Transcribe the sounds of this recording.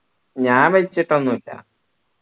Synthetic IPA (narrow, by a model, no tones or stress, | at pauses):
ɲaːnʋɐit͡ɕːiʈːonːuilːɐ̰